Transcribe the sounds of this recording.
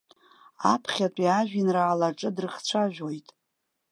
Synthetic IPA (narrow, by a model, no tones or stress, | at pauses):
a̰pʰχʲatʷʼiaʒᶣinraːlaʈ͡ʂʼɨdrɨχt͡ɕʷʰaʒʷᶣo̞jtʼ